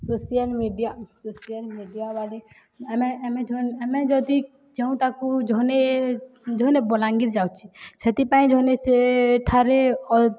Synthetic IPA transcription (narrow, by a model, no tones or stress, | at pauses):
sosijalmiɖijasosijalmiɖijabali | ɛmɛɛmɛ̃d͡ʒʱɔnɛmɛd͡ʒɔd̪i | d͡ʒɛũt̪akud͡ʒɔne | d͡ʒɔɦnebɔlaŋɡiɾd͡ʒawt͡ʃʰiset̪ipaĩd͡ʒɔneseʈʰaɾeɔ